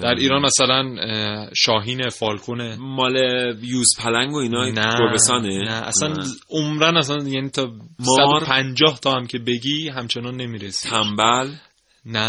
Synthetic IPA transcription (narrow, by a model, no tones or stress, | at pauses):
d̪æɾʔiːɾɒːnæsælænʃɒːɦiːnefɒːlkʰone̞mɒːlejuːspʰælæŋɡoinɒnæoɾbest̪ɒːnenæʔæ̰sænomɾænæsænjæniːt̪ʰɒːmsæd̪oɾpʰænd͡ʒɒːht̪ʰɒːæmcʰe̞be̞ɟiːɦæmt͡ʃʰe̞nɒnːe̞miːɾesiæmbæl | næ